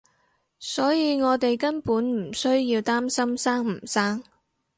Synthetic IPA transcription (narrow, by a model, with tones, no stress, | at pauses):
sɔː˨˥jiː˨˧ŋɔː˨˧t̪e˨jkɐ˥npuː˨˥nm̩˨˩sɵ˥ɥjiː˧wt̪aː˥msɐ˥msaː˥ŋm̩˨˩saː˥ŋ